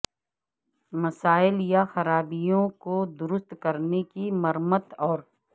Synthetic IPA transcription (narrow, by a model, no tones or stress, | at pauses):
mɐsaːɪljaxɐɾaːbijõkod̪ʊɾʊst̪kɐɾnekimɐɾmət̪ɔːɾ